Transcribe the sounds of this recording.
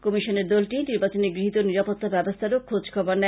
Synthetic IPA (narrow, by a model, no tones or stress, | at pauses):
kɔmiʃoneɾd̪ɔlʈiniɾbat͡ɕoneɡɾiɦit̪oniɾapot̪ːabɛbost̪ʰaɾokʰod͡ʑkʰɔbaɾnɛ